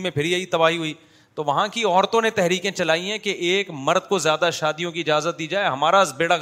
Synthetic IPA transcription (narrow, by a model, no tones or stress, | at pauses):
mẽpʰɪɾiɐit̪ɐbaːɦiɦuiː | t̪oʋɐɦãkiɔːɾt̪õnet̪ɛɦɾiːkẽt͡ʃɐlaːiɦɛ̃keʔeːkmɐɾd̪̚kozjaːd̪aʃaːd̪ijõk̬iɪd͡ʒaːzət̪̚d̪iːd͡ʒaːeɦɐmaːɾaɪsbeːɽa